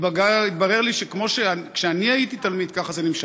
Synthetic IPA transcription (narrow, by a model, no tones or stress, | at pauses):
bɡait̪̚baʁe̞ʁliʃekmo̞ʃeakʃeaniait̪it̪almid̪̚kaχazenimʃa